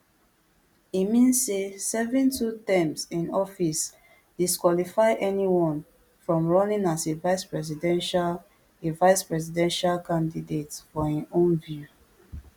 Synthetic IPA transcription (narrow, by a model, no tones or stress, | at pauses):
imĩnsːesɛvɹĩntʰutɛ̃msĩnɔfis | d̥iskwɔlifaɪʔɛniwɔ̃n | fɹɔ̃mɹɔnĩnasevaɪspɹɛzidɛ̃nʃa | evaɪspɹɛzidɛ̃nʃalkãndidetfɔĩnõnvju